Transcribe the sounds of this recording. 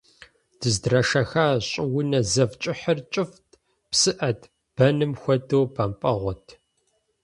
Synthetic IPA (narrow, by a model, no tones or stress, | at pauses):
d̥ɨzdrɐʂɐxaːɕʼɪwʊnɐzɐvt͡ʃʼɪħərt͡ʃʼɪftʰʼ | psɨʔɐtʰ | b̥ɐnɨmxʷɔdoːpʰɐmpʼɐʁʷɔtʰ